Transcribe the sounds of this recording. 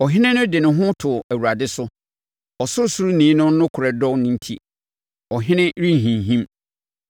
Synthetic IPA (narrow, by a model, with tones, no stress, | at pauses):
ɔ˨ɦɪ̃˦nɪ̃˦nʊ̃˦dɪ˨nʊ̃˨ɦʊ̃˦tʰʊ˨æ˨wu˨ɾa˨dɪ˦sʊ˦ | ɔ˨sʊ˦su˦ɾu˦nĩː˨˦nʊ̃˦n˦nʊ̃˦kʰʊ˨ɾɛ˨dɔ̃˦nʊ̃˦n̩˦tʰi˦ | ɔ˨ɦɪ̃˦nɪ̃˦ɾĩ˦˨ɦĩ˨ɦĩ˦m